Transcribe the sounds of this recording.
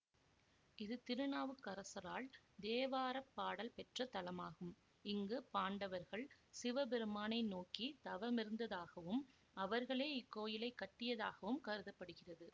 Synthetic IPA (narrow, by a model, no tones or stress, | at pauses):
ɪðɯt̪ɪɾɯnaːʋɯkːɐɾɐsɐɾaːl | d̪eːʋaːɾɐpːaːɽɐlpɛʈrɐt̪ɐlɐmaːɣɯm | ɪŋɡɯpaːɳɖɐʋɐɾɣɐɭsɪʋɐbɛɾɯmaːnɐɪnoːkit̪ɐʋɐmɪɾɯnd̪ɐðaːɣɐʋɯm | ɐʋɐɾɣɐɭeːɪkːoːjɪlɐɪkːɐʈːɪjɐðaːɣɐʋɯmkɐɾɯðɐpːɐɽɯɣɪrɐðɯ